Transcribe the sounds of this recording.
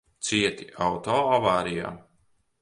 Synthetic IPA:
t̪siɛt̪iawt̪ɔːavaːɾija̰ː

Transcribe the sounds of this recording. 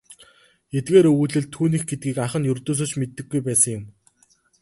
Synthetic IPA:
et̪̚ɡeːɾuɮɘ̆ɮt̪ʰːuːniːxɡet̪̚ɡiːkaχə̆njɵrt̪oːs̬oːt͡ɕmet̪ːɘ̆ɡːujpæːsə̆ŋjʊm

